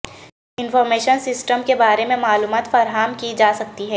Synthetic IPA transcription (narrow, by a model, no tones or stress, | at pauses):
ɪnfɔːɾmeːʃənsɪsʈəmkebaːɾemẽmaːluːmaːt̪fɐɾɦaːmkid͡ʒaːsɐk̚t̪iɦɛː